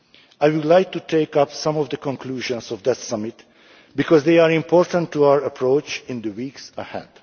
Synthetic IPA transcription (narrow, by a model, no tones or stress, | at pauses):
ajwud̪lajk̚tutʰeɪkʌpsʌ̃mɔvd̪əkɔ̃ŋkʰluːʒɔ̃nsɔvd̪ɪtsʌmɪt̪ | bikɔzd̪eɪaɹĩmpʰɔɹt̪ə̃ntʰːuawəɹəpʰɹot͡ʃɪ̃nd̪əwiːksəhɛ̰d̥